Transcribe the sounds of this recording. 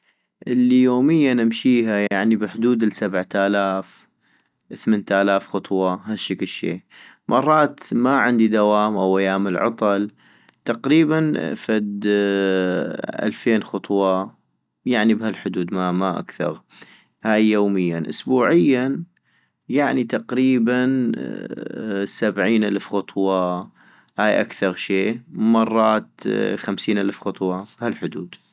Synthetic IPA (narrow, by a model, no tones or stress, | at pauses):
ʔɪlːijoːmɪjːanamʃiːɦajaʕnibɪħʊd̪uːd̪ɪlsabʕt̪aːlaːf | ʔθmeːnt̪ʔalaːfxʊt̪ˤwɑhaʃaklʃḛː | mʔɑrˤːɑːt̪maʕɪnd̪id̪awaːmʔawʔajaːmɪlʕɑ̰t̪ˤɑl | t̪ɑqɾiːban̰fad̪ | ʔa̰lfeːnxʊt̪ˤwɑ | jaʕnibhalħʊd̪uːd̪mamaʔa̰kθɑ̰ɾ | haːjːoːmɪjːanʔʊsbuːʕɪjːa | jaʕnit̪ɑqɾiːban | sabʕiːnʔalfxʊt̪ˤwɑ | haːjʔa̰kθɑɾʃeːmɑrˤːɑːt̪xamsiːnʔalfxʊt̪ˤwɑbhalħʊd̪uːd̪